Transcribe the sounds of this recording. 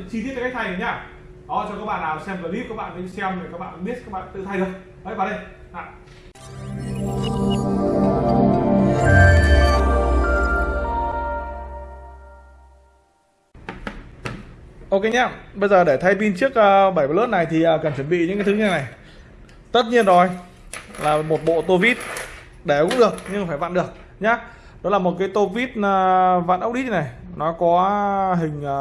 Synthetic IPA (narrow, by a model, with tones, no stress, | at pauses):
t͡ɕi˧i˦˥t̚t͡ɕɔ˧kk̚t̪ʰjna˨˦ɲaː˧˩ | ɗɔ˨˦t͡ɕɔ˧kaː˦˥k̚ɓa̰ː˧˨nːaː˨˩sɛ˧mkə˨˧˩ɓi˦˥ət̚kaː˦˥k̚ɓa̰ː˧˨nkə˧˨˦sɛ˧mo˨˩kaː˦˥k̚ɓa̰ː˧˨ka˧˦ɓi˦˥ət̚ka˦k̚ɓa̰ː˧˨t̪ɨ̰˧˨t̪ʰa˧jɗɨ˨˩ək̚ | hə˨˦jɓaː˨˩nɗe˧ | a̰ː˧˨ | ʔo˧ke˧jɲaː˧ɓə˧jzəː˨˩ɗe˧˩t̪ʰa˧jpi˧nt͡ɕɨ˦˥ək̚ʔəː˧ɓaː˧˩ja˨˩lɨː˦˥t̚na˨˩jt̪ʰi˨˩ʔəː˨˩kaː˨˩nt͡ɕwə˧˩nɓḭ˧˨ɲɨ̰˧˥ŋkaː˨˦t̪ʰɨ˨˦ɲə˧nːa˨˩j | t̪ə˦˥t̚ɲi˧ənːɔ˨˦j | laː˨˩mo˨˩t̚ɓo̰˧˨t̪o˧vi˦˥t̚ | ɗe˧˩kʊ̰˧˥ŋ͡mɨ˨˩ək̚ɲɨ˧ŋfaː˧˩jva̰ː˧˨nɗɨ˨˩ək̚ | ɲaː˨˦ | ɗɔ˨˦laː˨˩mo˨˩t̚kaː˨˦jt̪o˧vi˦˥t̚ːva̰ː˧˨nʔə˦˥wk͡p̚ɗi˦˥na˨˩jnɔ˨˦kɔ˨˦ɦï˨˩ŋ̟ː˨˩